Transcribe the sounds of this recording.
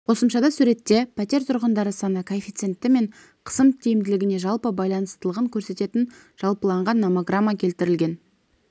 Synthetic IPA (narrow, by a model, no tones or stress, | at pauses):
qʰo̞səmʃɑd̪ɑsuɾe̞t̪ːe̞pʰæt̪e̞ɾt̪ʰʊɾʁənd̪ɑɾəsɑnəkʰofʲijt̪se̞nt̪ːɪme̞ɴ | qʰə̥səmt̪ʲʰejɪmd̪ɪlɪɡʲɪne̞ʒɑlˠpəbɑjlˠɑnəst̪əlˠəʁəŋkʲʰɵɾse̞t̪e̞t̪ɪn | ʒ̥ɑlˠpəlˠɑɴʁɑnːomoɡramːakʲʰe̞lt̪ɪɾɪlɡʲe̞n